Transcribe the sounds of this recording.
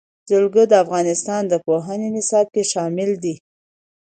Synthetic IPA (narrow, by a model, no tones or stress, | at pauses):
zəlɡəd̪əafɣɑnɪst̪ɑnd̪əpoɦənenɪsɑb̚keʃɑmɪld̪i